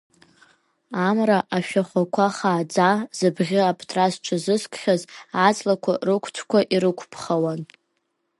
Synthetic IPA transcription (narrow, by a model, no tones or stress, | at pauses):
amraʔaʃᶣaχʷakʷʰaχaːd͡zazɨbʁʲɪapʰtʰrazʈ͡ʂʷʰazɨskʷʰχʲazat͡sʼlakʷʰarɨkʷʰt͡sʷʰkʷʰaʔiɾɨkʷʰpʰχawan